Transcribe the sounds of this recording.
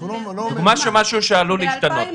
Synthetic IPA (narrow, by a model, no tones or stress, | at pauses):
d̪̥uɡmaʃemaʃuʃealuliiʃt̪anot